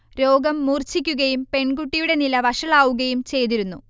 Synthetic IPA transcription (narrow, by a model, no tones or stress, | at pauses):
ɾo̞ːɡɐmːuːrt͡ɕikʲːuɣɐjumpe̞ɳɡuʈːijuɽe̞nilɐʋɐʂɐɭaːʋuɣɐjumt͡ɕe̞jt̪̬iɾunːṵ